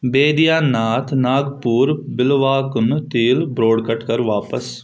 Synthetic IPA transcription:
beːd̪ijaːnaːt̪ʰnaːɡpuːɾbɪlʋaːkʊnt̪iːlbɾoːɽkəʈkəɾʋaːpəs

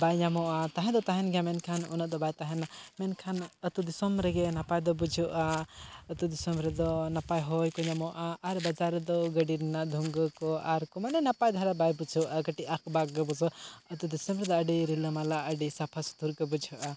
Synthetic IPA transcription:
bajɲamɔʔat̪aɦɛ̃d̪ɔt̪aɦɛnɡʱamɛnkʰanunaʔd̪ɔbajt̪aɦɛnamɛnkʰanət̪ud̪isɔmɾɛɡɛnapajd̪ɔbud͡ʒʱuʔaət̪ud̪isɔmɾɛd̪ɔnapajɦɔjkɔɲamɔʔaʔːɾbad͡ʒaɾd̪ɔɡəɖiɾnad̪ʱuŋɡɔkɔaɾkɔmanɛnapajd̪ʱaɾabajbud͡ʒʱuʔaɡəʈiʔakbaɡbuzɔət̪ud̪isɔmɾɛd̪ɔəɖiɾiləmalaʔəɖisapʰast̪uɾkɔbud͡ʒʱuʔa

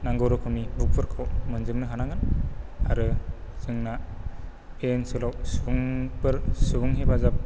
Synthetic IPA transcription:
naŋɡɯwɾɔkʰunibuk̚pʰɯɾkʰomɯnzɯŋnɯɦanaŋɯnaɾɯzɯŋna | pensɯlawsɯuŋbɯɾsɯɡuŋɦebazap̚

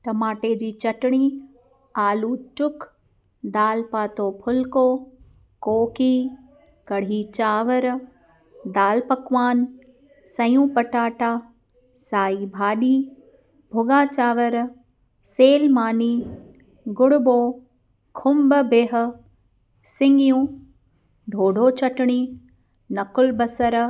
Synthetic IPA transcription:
t̪ɐmaːʈeːd͡ʑiːt͡ɕɐʈɽ̃iː | aːluːt͡ʃʊk | d̪aːlpaːt̪oːpʰʊlko | koːkiː | kɐɽ̤iːt͡ɕaːʋəɾ | d̪aːlpɐkʋaːn | sɐjũːpɐʈaːʈaː | saːiːbʱaːɗiː | bʱʊɡaːt͡ʃaːʋəɾ | seːlmaːniː | ɡʊɽʊboː | kʰʊmbəbeɦ̆ | sɪŋɡijũː | ɖʱoːɖʱoːt͡ʃɐʈɽ̃iː | nɐkʊlbɐsəɾ

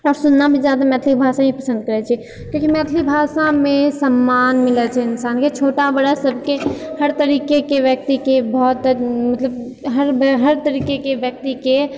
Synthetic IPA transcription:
ɔːɾsʊnːabʱizjaːd̪amɛːt̪ʰlik̚bʱaːsãipəsə̃nd̪̚kəɾɛt͡ʃʰi | kjõːkimɛːt̪ʰlik̚bʱasamesəmːaːnmɪlɛt͡ʃʰɛɪnsaːnket͡ʃʰoːʈabəɽasəbʱkehəɾt̪əɾiːkekeʋjək̚t̪ikebɔːt̪mət̪ləb | ɦəɾbɦəɾt̪əɾiːkekeʋjək̚t̪ike

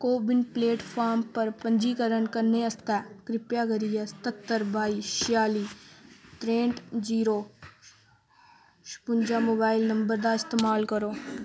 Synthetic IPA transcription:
koːbɪnpleːʈpʰaːɾmpəɾpəɲd͡ʒiːkəɾənkəɾneːəst̪ɛːkɾɪpjaːɡəɾiːɛsə̥t̪ət̪ːəɾbaːiːʃɪjaːliːʈ̪ɾẽːɳʈd͡ʒiːɾoː | ʃpʊnd͡ʒaːmoːbaːɪlnəmbəɾd̪aːɪst̪eːmaːlkəɾoː

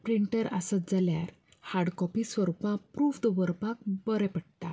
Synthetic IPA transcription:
pɾiɳʈəɾasəd͡zalja̰ɾ | haɽkɔpisʋəɾupãpɾufd̪əʋəɾpak̚bəɾɛpəɽt̪a

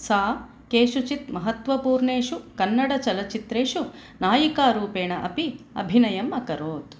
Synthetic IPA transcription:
saː | keːʃut͡ʃit̪mɐɦɐt̪ʋɐpuːɾɳeːʂukɐnːɐɽɐt͡ʃɐlɐt͡ʃit̪ɾeːʃu | naːjikaːɾuːpeːɳɐʔɐpiɐ̰bʱinɐjɐmɐkɐɾoːt̪

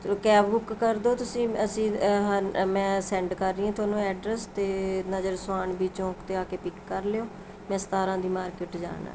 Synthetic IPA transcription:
kɛːbbʊkːəɾd̪oːt̪ʊsĩːəsĩːɦəmɛ̃ːsɛ̃ːɳɖkəɾːiːãːt̪ʰoːnũːɛːɖɾɛst̪eːnəd͡ʒəɾsaːɳbiːt͡ʃõːkt̪eːaːkeːpɪkːəɾleːoː | mɛ̃ːsə̥t̪aːɾãːd̪iːmaːɾkɪʈd͡ʒa̰ːna̰ː

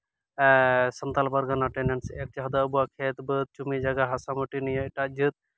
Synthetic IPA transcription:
sɐnt̪albɐɾɡɐnaʈeneɳsek̚t͡ʃaɦɐd̪aəbuakʰet̪bət̪̚t͡ʃumid͡ʒaɡaɦɐsamuʈinijɔʈad͡ʒɨt̪̚

